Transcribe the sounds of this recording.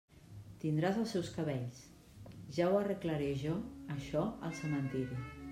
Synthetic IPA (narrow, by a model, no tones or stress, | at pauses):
t̪ind̪ɾazəlˠsɛwskəβɛʎs | ʒawərəkləɾeʒɔəʃɔəlˠsəmənt̪iɾi